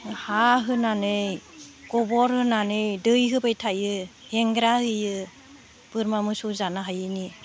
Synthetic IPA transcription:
haɦɯnanɯjɡɔbɔɾhɯnanɯjdɯjɦɯbajtʰajɯheŋɡɾahɯjɯ | b̥ɯɾmamɯsuzanaɦajɯni

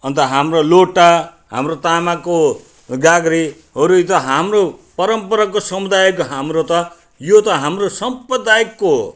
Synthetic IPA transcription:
ʌnt̪ʌɦamroloʈa | ɦa̰mrot̪amako | ɡaɡɾi | ɦʌɾut̪ʌɦamropʌɾʌmpʌɾakːosʌmud̪ajʌkɦamrot̪ʌ | jot̪ʌɦamrosʌmprʌd̪ajʌkːo

